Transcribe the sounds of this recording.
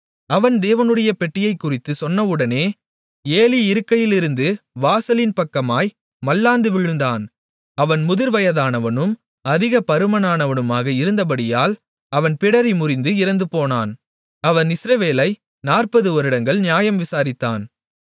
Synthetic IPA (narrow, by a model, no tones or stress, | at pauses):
ɐʋɐnd̪eːʋɐnɯɽɐjɐpɛʈːɪjɐɪkːʊrɪt̪ːɯsɔnːɐʋɯɽɐneː | eːliɪɾɯkːɐjɪlɪɾɯnd̪ɯʋaːsɐlinpɐkːɐmaːj | mɐlːaːnd̪ɯʋɪɻɯnd̪aːn | ɐʋɐnmʊðɪɾʋɐjɐðaːnɐʋɐnɯm | ɐðɪɣɐpɐɾɯmɐnaːnɐʋɐnɯmaːɣɐɪɾɯnd̪ɐp̬ɐɽɪjaːl | ɐʋɐnpɪɽɐɾimʊrɪnd̪ɯɪɾɐnd̪ɯpoːnaːn | ɐʋɐnɪsɾɐʋeːlɐɪ | naːrpɐðɯɔɾɯɽɐŋɡɐɭnɪjaːjɐmʋɪsaːɾɪt̪ːaːn